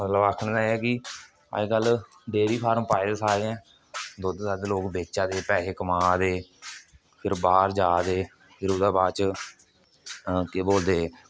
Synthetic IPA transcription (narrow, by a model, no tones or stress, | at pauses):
mət̪ləbaːkʰɽ̃d̪aːɛːkɪ | a̰eːɡəlː | ɖeːɾiːpʰaːɾmpaːid̪aːsaːɾeːɛ̃ː | d̪oːd̪saːd̪loːkbeːt͡ʃãːd̪eːpɛːɦeːkəmãːd̪eː | pʰɪɾbaːɾd͡ʒaːd̪eː | pʰɪɾʊd̪aːbaːt͡ʃ | keːboːld̪eː